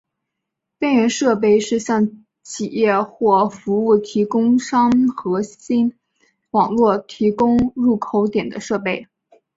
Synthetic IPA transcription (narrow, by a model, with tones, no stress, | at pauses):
pɛ˥˩nɥɛ˧˥nʂɤ˥˧p̬e˥˧ɪʂɻ̩˥˧ɕjɑ˥˩ŋ | t͡ɕʰi˨˩jɛ˥˧xwɔ˥˩fu˧˥u˥˩t̪ʰi˧˥kʊ˥ŋʂɑ˥ŋxɤ˧˥ɕi˥n | wɑ˨˩ŋlwɔ˥˩t̪ʰi˧˥kʊ˥ŋɻu˥˩kʰo˧˥ʊt̪jɛ˨˩nd̪ə˦ʂɤ˥˧pe˥˩ɪ